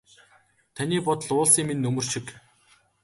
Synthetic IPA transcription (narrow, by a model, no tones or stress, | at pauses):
t̪ʰaniːpɔt̪̆ɮʊːɮsiːŋminːɵmɵ̆r̥ʃik